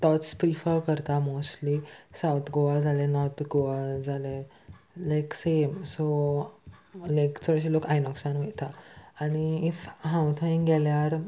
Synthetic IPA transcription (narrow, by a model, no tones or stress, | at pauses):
t̪ɔtspɾifəɾkəɾt̪amostlisawt̪ʰɡoʋad͡zʱalenɔɾt̪ʰɡoʋad͡zʱale | lajksemso | lajkt͡sɔɽɕilokajnɔksanʋɛt̪aːniifɦãwt̪ʰə̃ĩŋɡɛljaɾ